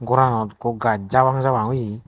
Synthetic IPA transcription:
ɡuɾanɔt̪kuɡad͡ʒawaŋzawaŋuji

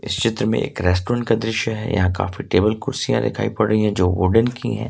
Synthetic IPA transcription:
ɪst͡ʃɪt̪ɾəmḛ̃ʔḛːkɾɛːsʈoːɾə̃ɳʈ̚kad̪ɾɪʃjəɦɛ̰jɐ̰ɦãka̰ːfiʈeːbəlkʊɾsijãd̪ɪ̰kʰa̰ːipɐɽəɦiɦɛ̃d͡ʒoːʋʊɖənkḭɦɛ̰̃ː

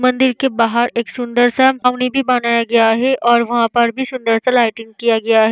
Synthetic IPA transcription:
mɐ̃nd̪ɪɾkebaːɦəɾeːksʊ̃nd̪əɾsamaːʊnibʱibanaːjaɡɐjaɦɛʔɔːɾʋɐɦãpɐɾbʱisʊ̃nd̪əɾsalaːɪʈɪ̃ŋɡ̚kijaɡɐjaɦɛː

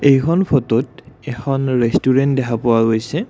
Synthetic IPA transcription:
ejkʰɔnpʰɔtɔtɛxɔnɹestuɹɛntdɛkʰapʊwaɡojsɛ

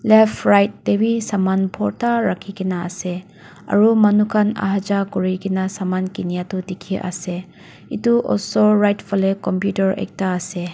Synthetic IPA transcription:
lepʰɾajt̚ːebisamanpʰɔɾtaɾakʰikʰina̰ːse | ɐ̰ɾumɐnukʰana̰ɦad͡ʒakuɾikinasamankinijatudikʰiʔa̰se | ituʔɔ̰lsoɾajtpʰalekɔmpjutɐɾḛk̚taːse

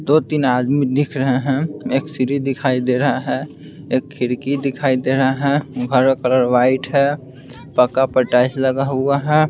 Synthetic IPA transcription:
d̪oːt̪inaːd̪mid̪ɪkʰɾəɦeɦɛ̃eːksiɾid̪ɪkʰaːid̪eɾəɦaɦɛ̃ | eːkʰːɪɾkid̪ɪkʰaːid̪eːɾəɦaɦɛ̃ɡʱəɾkələɾwaːɪʈɦɛ | pəkapəʈaːisləɡaɦuaɦɛ

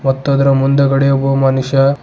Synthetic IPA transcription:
mɐt̪ːod̪ɐɾɐmund̪ɐɡɐɽijobumɐnuʃjɐ

